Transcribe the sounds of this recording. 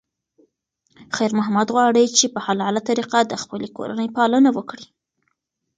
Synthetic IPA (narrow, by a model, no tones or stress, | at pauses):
xajɾmʊɦamad̪ɣwɑɽət͡ʃepəhalalat̪aɾiqad̪əxpəleko̰ɾa̰nəjpɑlənawəkɽi